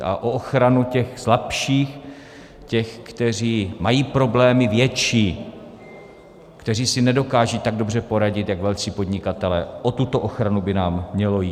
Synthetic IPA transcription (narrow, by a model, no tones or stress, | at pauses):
ʔa̰ʔoʔoxɾanucɛxslapʃiːx | cɛxkt̪ɛr̝iːmajiːpɾo̞blɛːmɪvjɛt͡ʃiː | kt̪ɛr̝iːsɪnɛdo̞kaːʒit̪aɡ̚do̞br̝ɛpo̞ɾaɟɪt̪jaɡvɛlt͡siːpo̞d̪ɲɪkat̪ɛlɛːʔo̞t̪ut̪o̞ʔoxɾanubɪnaːmːɲɛlo̞jiː